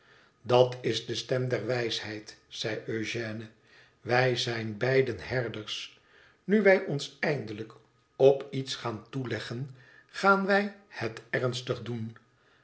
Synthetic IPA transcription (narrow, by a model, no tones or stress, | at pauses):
dɑtɪzdəstɛmdɛɹʋɛjshɛjtsɛjøɥʒɛːnə | ʋɛjzɛjnbɛjdənɦɛɹdəɹs | nyʋɛjʔɔnsɛjndələk | ɔpitsχaːntulɛχən | χaːnʋɛjhətɛɹnstəχdun